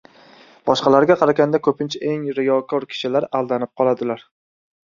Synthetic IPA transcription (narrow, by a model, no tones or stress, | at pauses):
b̥ɒʃqɑlaɾɡʲaqʰɑɾaɡʲand̪akʰɵpʰɪnt͡ʃʰaʔeŋɾɪjɒkʰɒɾkʲʰɪ̥ʃɪlaɾalˠd̪anɪp̚qʰɒlˠad̪ɪlaɾ